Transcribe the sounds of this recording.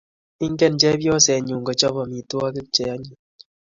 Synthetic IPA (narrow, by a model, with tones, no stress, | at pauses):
i˦ŋ˦ɡɛ˦˨nd͡ʒɛ˦bjɔ˦sɛ˨ɲu˨ŋɡɔ˨t͡ʃɔ˦bɔ˨mi˨twa˦kɪ˦kt͡ʃɛ˨ja˦ɲi˨